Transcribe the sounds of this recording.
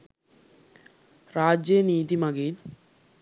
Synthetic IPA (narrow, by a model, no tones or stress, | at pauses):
ɾaːd͡ʑeniːt̪imaɡeɾ